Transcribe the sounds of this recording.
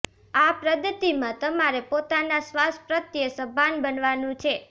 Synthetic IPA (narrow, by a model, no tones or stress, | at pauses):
apɾəd̪ʱət̪imãt̪əmaɾepot̪anasʋaspɾət̪jəsəbʱanbənʋanũt͡ʃʰe